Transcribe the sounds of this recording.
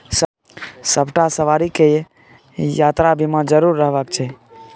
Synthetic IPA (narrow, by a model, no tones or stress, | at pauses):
s | səbʱʈasəʋaɾike | jat̪ɾabʱimãd͡ʒəɾuɾːəɦbəkt͡ʃʰɛ